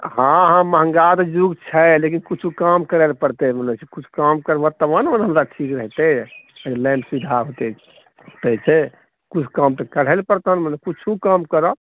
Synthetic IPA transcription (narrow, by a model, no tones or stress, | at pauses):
ɦãɦãməɦəŋɡat̪ɔd͡ʒuɡt͡ʃʰɛlekinkut͡ʃʰukamkəɾelpəɾt̪emənet͡ʃʰikut͡ʃʰkamkəɾbət̪əmənmənɦəmɾaʈʰikɾəɦt̪eəlɛ̃mpsʋid̪ʱaɦot̪ɛ | t̪ət͡ʃʰɛ | kut͡ʃʰkamt̪əkəɽ̤ɛlpəɾt̪ɦənmənekut͡ʃʰukamkəɾɔ